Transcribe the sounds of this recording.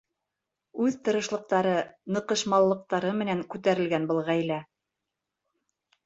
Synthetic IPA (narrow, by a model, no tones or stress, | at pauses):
ʉðt̪ɤ̆ɾɤ̆ʃlˠɤ̆q̚t̪ɑɾɤnɤ̆qɤ̆ʃmɑlˠːɤ̆q̚t̪ɑɾɤmɘ̆næŋkʉt̪æɾɘ̆lɡænbɤ̆lˠʁæjlæ